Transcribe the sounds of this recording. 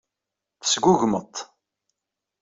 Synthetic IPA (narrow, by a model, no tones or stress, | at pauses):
θə̥sɡʊʝmət̪ˤ